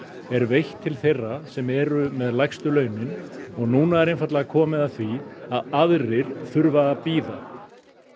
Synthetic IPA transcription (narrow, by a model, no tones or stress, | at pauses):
ɛɾvejht̪ʰːɪlθejrːasɛmɛɾʏmɛðlajxst̪ʏlœːɥnɪnɔɣnuːnaɛɾejnfat̪laɣakʰɔːmɪðaθviaðaðɾɪɾ̥θʏɾvaːpiːða